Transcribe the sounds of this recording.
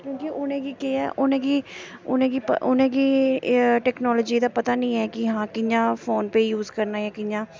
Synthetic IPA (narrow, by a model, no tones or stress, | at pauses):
kjõːkiʔʊnẽːɡiːkeːɛ̰ːʔʊnẽːɡiːʊnẽːɡiːpʊnẽːɡiː | ʈɛːknɔːlɔːd͡ʒiːd̪aːpət̪aːnĩːɛːkɪɦãːkɪjãːfʰoːnpeːjuːzkəɾnaːjɛːkɪjãː